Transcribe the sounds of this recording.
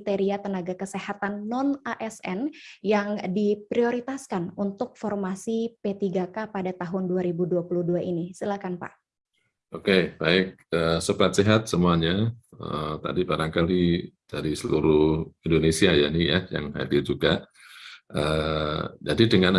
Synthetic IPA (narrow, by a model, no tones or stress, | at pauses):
t̪eɾiat̪ənaɡakəseɦat̪anːɔnaʔɛsɛnjaŋdipɾioɾit̪askanunt̪ʊk̚fɔrmasipet̪iɡakapadat̪aɦʊnduaɾibuduapuluduaʔinisilakanpa̰ʔ | ʔokeb̥aɪk̚əːsupat̪̚siɦat̪̚səmuaɲaət̪a̰dibaɾaŋkalid̥aɾisəluɾuhhindonesiajanijaja̰ŋha̰dɪrd͡ʒuɡaʔ | ʔə | d͡ʒadidəŋan